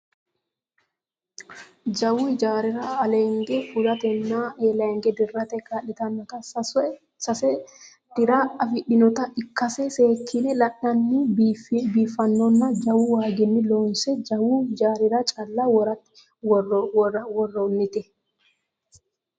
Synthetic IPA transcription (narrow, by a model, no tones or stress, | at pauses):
d͡ʒɐwuɪd͡ʒaːɾɪɾaɐleːŋɡɛfʊlɐt̪ɛnːaːʔeːleːŋɡɛd̪ɪrːat̪ɛkːalɪt̪ɐnːɔt̪ɐ | sɐsɛ | d̪̥ɪɾaːɐfɪᶑɪnɔt̪ɐʔɪkːɐsɛseːkʰːɪnɛlɐʔɐnːi | biːfːɐnːɔnːɐd͡ʒɐwuwaːɡɪnːɪloːnsɛd͡ʒɐwud͡ʒaːɾɪɾat͡ʃʼɐlːawɔɾɐ | wɔrːonːɪt̪ɛ